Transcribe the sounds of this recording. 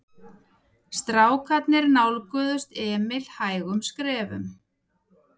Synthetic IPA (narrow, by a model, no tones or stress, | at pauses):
st̪ɾaːwkʰat̪nɪɾnawlkœːðʏst̪ɛːmɪl̥haːjɣʏmskɾɛːvʏ̰m